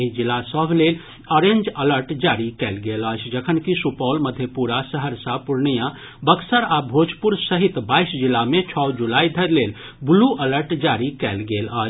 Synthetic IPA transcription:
eid͡ʒilːasəbʱlel | ɔɾẽnd͡ʒələɾʈd͡ʒaɾikɛlɡelət͡ʃʰd͡ʒəkʰənkisupɔlməd̪ʱjepuɾasəɦəɾsapuɾnijã | bəksəɾabʱod͡ʒpuɾsəɦit̪baisd͡ʒilːamẽt͡ʃʰɔwd͡ʒulaid̪ʱəɾlel | buluʔələɾʈd͡ʒaɾikɛlɡelət͡ʃʰ

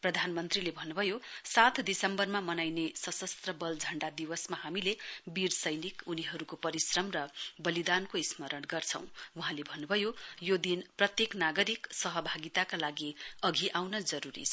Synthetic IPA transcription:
prʌd̪ʱanmʌnt̪rilebʱʌnːubʱʌjosat̪ʰd̪isʌmbʌrmamʌnajnesʌsʌst̪rʌbʌld͡zʱʌɳɖad̪iwʌsmahamilebirsʌjnikuniɦʌɾukopʌɾisrʌmrʌbʌlid̪ankoismʌɾʌnɡʌrt͡sʰʌ̰̃w̃uɦãlebʱʌnːubʱʌjojod̪inprʌt̪jeknaɡʌɾiksʌɦʌbʱaɡit̪akalaɡiʌɡʱiʔawnʌd͡zʌɾuɾḭ

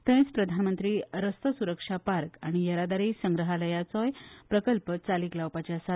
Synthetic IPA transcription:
t̪ə̃t͡spɾəd̪ʱanmənt̪ɾiːɾəst̪əsuɾəkʂapaɾkaɽ̃ijəɾad̪aɾiːsəŋɡɾəɦaləjat͡sɔjpɾəkəlpət͡saliːklawpat͡ɕjasa

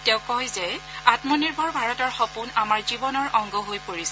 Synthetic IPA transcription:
tɛʊ̃kɔjzɛatmɔniɹbʱɔɹbʱaɹɔtɔɹxɔpunamaɹzibɔnɔɹʔɔŋɡɔɦojpoɹisɛ

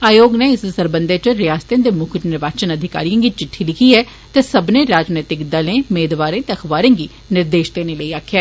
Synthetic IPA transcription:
aːjoːɡneːɪssəɾbənd̪eːt͡ʃəɾɪjaːst̪jãːd̪eːmʊkʰt͡ʃnɪɾʋaːt͡ʃənəd̪ʱɪka̰ːɾijãɡiːt͡ʃɪʈʰːiːlɪkʰiːɛː | t̪eːsəbnẽːɾaːd͡ʒneːt̪ɪkd̪əlẽːmeːd̪ʋaːɾẽːt̪eəkʰʋaːɾẽːɡiː | nɪɾd̪eːʃt̪eːneːləiːaːkʰːjaː

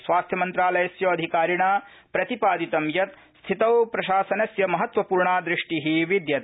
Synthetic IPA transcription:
sʋaːst̪ʰjɐmɐnt̪ɾaːlɐjɐsjɐːɐd̪ʱikaːɾiɳaː | pɾɐt̪ipaːd̪it̪ɐmjɐt̪ | st̪ʰit̪ɐwpɾɐʃaːsɐnɐsjɐmɐɦɐt̪ʋɐpuːɾɳaːd̪ɾiʂʈiɦiʋid̪jɐt̪

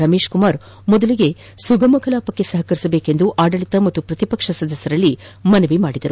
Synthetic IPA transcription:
ɾɐme̞ːʃkumaːɾ | mɔd̪ɐliɡe̞ | suɡɐmɐkʰɐlaːpɐkːe̞sɐɦɐkɐɾisɐbe̞ːke̞nd̪uʔaːɖɐɭit̪ɐmɐt̪ːupɾɐt̪ipɐkʂɐsɐd̪ɐsːɐɾɐlːi | mɐneʋimaːɽid̪ɐɾu

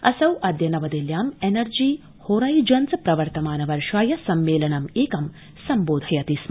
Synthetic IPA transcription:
ɐ̰sɐwʔɐd̪jɐnɐʋɐd̪eljaːmenɐɾd͡ʒiː | hoːɾɐːjd͡ʒɐnt͡sɐpɾɐʋɐɾt̪ɐmaːnɐʋɐɾʂaːjɐsɐmːeːlɐnɐmeːkɐm | sɐmboːd̪ʱɐjɐt̪is

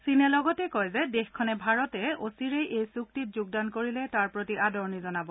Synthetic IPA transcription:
sinɛlɔɡɔtɛkɔjzɛdexkʰːɔnɛbʱaɹɔtɛosiɹejʔejsuk̚titzuɡ̚dankoɹilɛtaɹpɹotiʔadɔɹnizɔnabɔ

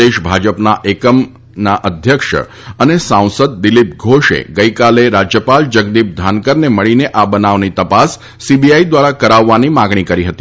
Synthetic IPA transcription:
eʃbʱad͡ʒəpnaʔekəm | naʔəd̪ʱjəkʃə̰ | ənesãw̃səd̪̚ːɪlip̚ɡʱoʃḛɡəikaleɾad͡ʒjəpald͡ʒəɡ̚d̪ip̚d̪ʱankəɾneməɭineʔabənaʋnit̪əpasː | ibiaid̪ʋaɾakəɾaʋːanimaɡɳ̃ikəɾiɦət̪i

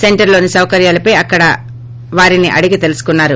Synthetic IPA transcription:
se̞ɳʈɐɾlo̞ːnisɐwɐkɐɾjaːlɐpɐjɐkːɐɽɐ | ʋaːɾiniʔɐ̰ɽiɡit̪e̞lusu̥kunːaːɾu

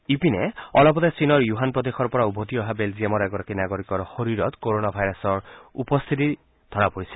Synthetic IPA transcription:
ipinɛɔlɔpɔt̪asinɔɹjuɦanpɹɔd̪exɔɹpɔɹaubʱot̪iɔɦabelziemɔɾɛɡɔɾakinaɡoɹikɔɹxoɹiɹɔt̪koɹonabʱajɾasɔɹupɔst̪ʰit̪i | d̪ʱɔɹapoɹisɛ̥

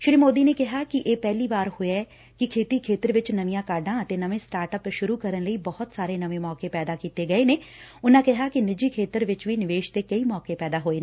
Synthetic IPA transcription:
ʃɾiːmoːd̪iːneːkɪɦaːkɪʔeːpɛːliːbaːɾhʊeɛ | kɪkʰeːt̪iːkʰeːt̪əɾʋɪt͡ʃnəʋɪjãːkaːɾɖãːət̪enəʋẽːsʈaːɾʈəpʃʊɾuːkəɾənləiːbɔɦʊt̪saːɾeːnəʋẽːmɔːkepɛːd̪aːkiːt̪eɡəeːneːʊnãːkɪɦaːkɪnɪd͡ʒiːkʰeːt̪əɾʋɪt͡ʃʋiːnɪʋeːʃt̪eːkəiːmɔːkepɛːd̪aːɦoːeːnː

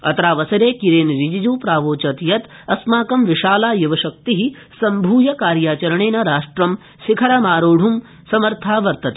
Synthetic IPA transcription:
ɐ̰t̪ɾaːʋɐsɐɾeːkiɾeːnɾid͡ʒid͡ʒuːpɾaːʋoːt͡ʃɐt̪jɐt̪ | ɐsmaːkɐmʋiʃaːlaːjɐʋɐʃɐk̚t̪iɦi | sɐmbʱuːjɐkaːɾjaːt͡ʃɐɾɐɳeːnɐɾaːʂʈɾɐm | ʃikʰɐɾɐmaːɾoːɽʱum | sɐmɐɾt̪ʰaːʋɐɾt̪ɐt̪

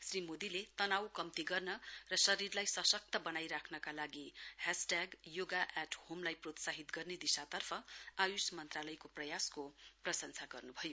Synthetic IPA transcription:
srimod̪ilet̪ʌnawkʌmt̪iɡʌrnʌrʌsʌɾirlajsʌsʌk̚t̪ʌbʌnajɾakʰnʌkalaɡihasʈaɡjoɡaʔaʈhomlajprot̪saɦit̪ɡʌrned̪isat̪ʌrpʰʌajusmʌnt̪ralʌjkoprʌjaskoprʌsʌnsʰaɡʌrnubʱʌjo

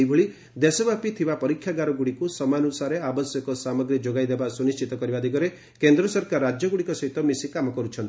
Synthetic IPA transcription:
jbʱoɭi | d̪esɔbapit̪ʰibapɔɾikʰːjaɡaɾɔɡuɽikusɔmanusaɾeabɔsjɔkɔsamɔɡɾid͡ʒoɡajd̪ebasunist͡ʃit̪ɔkɔɾibad̪ʱiɡɔɾe | kend̪ɾɔsɔɾkaɾːad͡ʒjɔɡuɽikɔsɔɦit̪ɔmisikamɔkɔɾut͡ʃʰɔnt̪i

